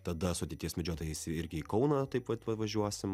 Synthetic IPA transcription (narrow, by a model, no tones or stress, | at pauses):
t̪ɐd̪ɐsʊɐt̪ʲeɪt̪ʲiɛsmʲɛd͡ʒʲoːt̪oːjɛɪsɪɾʲɡʲɪiːkɐʊnɐt̪ɐɪpʋɐt̪ʋɐʋɐʒʲuɔsʲɪm